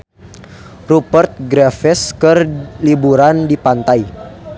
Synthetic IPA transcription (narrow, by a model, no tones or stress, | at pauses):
rupərt̪̚ɡɾɛfɛskərlibuɾandipant̪ai